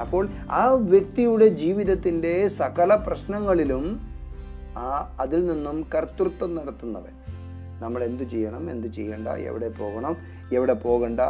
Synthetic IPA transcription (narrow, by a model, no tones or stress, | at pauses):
ɐpːo̞ːɭ | aːʋjek̚t̪ijuɽe̞d͡ʑiːʋiðɐt̪ːinde̞sɐɣɐlɐprɐɕnɐŋːɐɭilum | ɐðilninːumkɐrt̪ːrt̪ːɐmnɐɽɐt̪ːunːɐʋḛ | nɐmːɐɭe̞nd̪ɨt͡ɕejːɐɳɐme̞̰nd̪ɨt͡ɕḛjːɐɳɖɐ̰ḛʋḭɽe̞po̞ːɣɐɳɐm | eʋiɽepo̞ːɣɐɳɖɐ